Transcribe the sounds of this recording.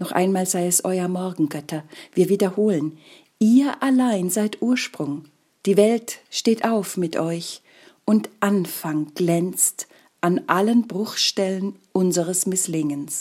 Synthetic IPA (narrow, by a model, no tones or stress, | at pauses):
nɔχʔa̰ɪnmaːlzaɪɛsʔɔʏɐmɔɐɡŋ̩ɡœtʰɐviːɐviːdɐhoːlən | ʔiːɐʔalaɪnzaɪtʔuːɐʃpʁ̥ʊŋ | d̥iːvɛltʃteːtʔaʊfmɪtʔɔʏç | ʊntʔanfaŋɡ̥lɛnt͡st | ʔanʔalənbʁʊxʃtɛlənʔʊnzəʁəsmɪslɪŋəns